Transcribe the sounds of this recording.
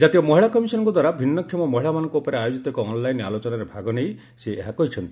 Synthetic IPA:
d͡ʒat̪iɔmɔɦiɭakɔmisɔnɔ̃ŋkɔd̪waɾabʱinːɔkʰjɔmɔmɔɦiɭamanɔ̃ŋkuupɔɾeajod͡ʒit̪ɔekɔɔnlajna̰lot͡ʃɔnaɾebʱaɡɔnej | seeɦakɔɦit͡ʃʰɔnt̪i

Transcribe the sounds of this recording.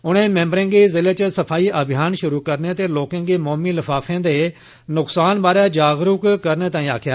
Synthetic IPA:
ʊɽ̃ẽːmɛ̃ːmbəɾẽːŋɡezɪleːt͡ʃəsɐpʰaːiːʔəbʱɪjaːnʃʊɾukəɾnet̪eːloːkẽːŋɡeːmɔːmiːlɐfʰaːfʰẽːd̪eː | nʊksaːnbaːɾjad͡ʒaːɡɾʊkkəɾnet̪aːĩːa̰ːkʰjaː

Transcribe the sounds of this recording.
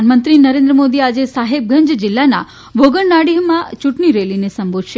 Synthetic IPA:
nmənt̪ɾinəɾẽnd̪ɾəmod̪iad͡ʒesaɦeb̚ɡʱə̃ɲd͡ʒd͡ʒɪlːana̰ | bʱoɡəɳnaɽiɦəmːãt͡ʃũʈɳiɾelinesəmbʱod̪ʃe

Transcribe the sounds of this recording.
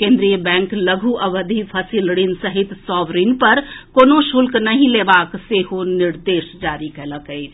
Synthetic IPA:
kẽːnd̪ɾijəbɛ̃ːŋkləɡʱuʔəʋəd̪ʱipʰəsilɽinsəɦɪt̪sɔːʋɾinpəɾkoːnoʃʊlknəɦĩleːbaːkseːɦonɪɾd̪eːʃd͡ʒaːɾikɛːləkɦɛi

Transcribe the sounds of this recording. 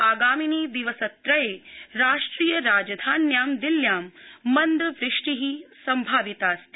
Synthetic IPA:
aːɡaːminiːd̪iʋɐsɐt̪ɾɐjeːɾaːʂʈɾiːjɐɾaːd͡ʒɐd̪ʱaːnjaːmd̪iljaːmːɐnd̪ɐʋɾɪʂʈiɦisɐmbʱaːʋit̪aːst̪i

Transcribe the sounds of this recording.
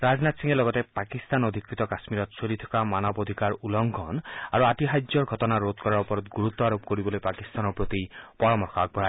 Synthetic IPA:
ɾad͡ʒnat̪siŋelɔɡɔt̪epakist̪anod̪ʱikɾit̪ɔkasmiɾɔt̪solit̪ʰɔ̥kamanɔbod̪ʱikaɾulɔŋɡʱɔnaɾuatiɦajd͡ʒɔɾɡʱɔtɔnaɾot̪̚kɔɾaɾɔpɔɾɔt̪ɡuɾut̪ːɔaɾobkoɾibɔlojpakist̪anɔɾpɾot̪ipɔɾɔmɔɾxʰak̚bʱɔɦa

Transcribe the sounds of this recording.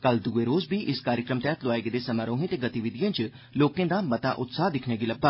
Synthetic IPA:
kəld̪uːeːɾoːzbiːʔɪskaːɾjəkɾəmt̪ɛːt̪lʊaːeɡed̪eːsəmaːɾoːɦẽːt̪eːɡət̪iːʋɪd̪ijãːt͡ʃ | loːkẽːd̪aːmət̪a̰ːʔʊt̪saːɦd̪ɪkʰneːɡiːləbːaː

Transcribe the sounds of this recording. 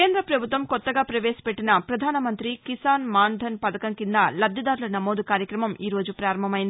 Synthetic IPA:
keːnd̪ɾɐpɾɐbʱut̪ʋɐmkɔt̪ːɐɡaːpɾɐʋe̞ːsɐ̥peʈːinɐpɾɐd̪ʱaːnɐmɐnt̪ɾikisaːnmaːnd̪ʱɐnpɐd̪ɐkɐŋkind̪ɐlɐd̪ʱjɐd̪aːɾulɐnɐmoːd̪ukaːɾjɐkɾɐmɐmiːɾo̞ːd͡ʒupɾaːɾɐmbʱɐmɐjind̪i

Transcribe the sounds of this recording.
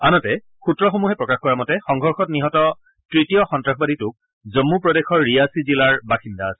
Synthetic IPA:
anɔtɛ | xutɹɔxomuɦɛpɹɔkaxkɔɹamɔtɛxɔŋɡʱɔɹxɔtniɦɔtɔ | tɹitijɔxɔntɹaxbaditʊk̚ | zɔmːupɹɔdexɔɹːijasizilaɹbaxindaːsɛ̥

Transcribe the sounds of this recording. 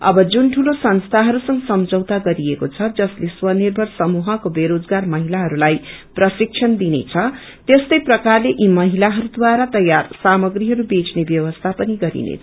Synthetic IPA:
ʌ̰bʌd͡zunʈʰulosʌnst̪ʰaɦʌɾusʌŋɡʌsʌmd͡zʌwt̪aɡʌɾiekot͡sʰʌd͡zʌsleswʌnirbʱʌrsʌmuɦʌkobeɾod͡zɡarmʌɦilaɦʌɾulajprʌsik̚t͡ʃʰʌnd̪inḛt͡sʰʌ | t̪est̪ʌjprʌkarleʔimʌɦilaɦʌɾud̪waɾat̪ʌjarsamʌɡriɦʌɾubet͡snebjʌwʌst̪ʰapʌniɡʌɾḭnḛt͡sʰ

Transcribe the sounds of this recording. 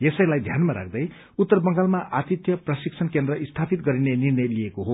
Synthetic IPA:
jesʌjlajd̪ʱjanmaɾa̰k̚ʰd̪ʌj | ut̪ːʌrbʌŋɡalmaʔat̪it̪jʌprʌsik̚sʰʌnkend̪rʌʔist̪ʰapit̪ɡʌɾinenirnʌjlijekoɦo

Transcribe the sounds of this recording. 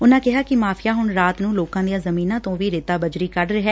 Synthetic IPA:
ʊnãːkɪɦaːkɪmaːpʰɪjaːɦʊɳɾaːt̪nũːloːkãːd̪ijaːzəmiːnãːt̪õːʋiːɾɪt̪aːbəd͡ʒɾiːkəɖɾɛɦɛː

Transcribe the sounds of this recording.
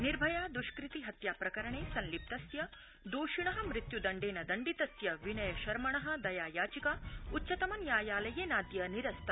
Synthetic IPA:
niɾbʱɐjaːd̪uʃkɾit̪iɦɐt̪jaːpɾɐkɐɾɐɳeːsɐnlip̚t̪ɐsjɐ | d̪oːʃiɳɐɦɐ̆mɾit̪jud̪ɐɳɖeːnɐd̪ɐɳɖit̪ɐsjɐʋinɐjɐʃɐɾmɐɳɐɦɐ̆d̪ɐjaːjaːt͡ʃikautːʃɐt̪ɐmɐnjaːjaːlɐjeːnaːd̪jɐniɾɐst̪ʰɐ

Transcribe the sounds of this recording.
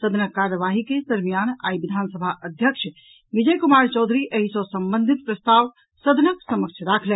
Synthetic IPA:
səd̪ʱnəkːaɾəʋaɦiked̪əɾmijana̰iʋid̪ʱansəbʱaʔəd̪ʱjəkʃʰ | ʋid͡ʒəjkumaɾt͡ʃɔd̪ʱɾiʔeɦisə̃səmbə̃nd̪ʱit̪̚pɾəst̪aʋ | səd̪ʱnəksəmək̚t͡ʃʰɾakʰlɛ̃

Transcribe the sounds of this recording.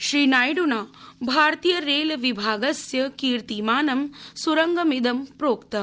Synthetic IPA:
ʃɾiːnaːjɖunaːbʱaːɾt̪iːjɐɾeːlʋibʱaːɡɐsjɐkiːɾt̪imaːnɐmsuɾɐŋɡɐmid̪ɐmpɾoːkt̪ɐ

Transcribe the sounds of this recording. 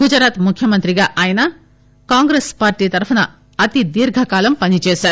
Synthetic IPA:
ɡud͡ʒɐɾaːt̪mukʰjɐmɐnt̪ɾiɡaːʔaːjɐnɐ | kaːŋɡɾeːspaːɾʈiːt̪ɐɾpʰɐnɐ | ɐt̪id̪iːɾɡʱɐkaːlɐmpɐnit͡ʃeːʃaːɾu

